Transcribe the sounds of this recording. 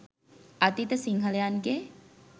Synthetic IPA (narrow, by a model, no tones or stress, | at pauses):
ɐt̪it̪əsiŋɦəlejanɡe